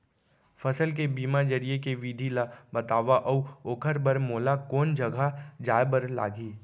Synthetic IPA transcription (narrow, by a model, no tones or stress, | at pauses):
fʰɐsəlk̬ebiːmad͡ʒɐɾijekeʋid̪ʱilabɐt̪aːʋaʔɔoːkʰəɾbəɾmoːlakoːnd͡ʒɐɡʱad͡ʒaːjbəɾla̰ːɡiː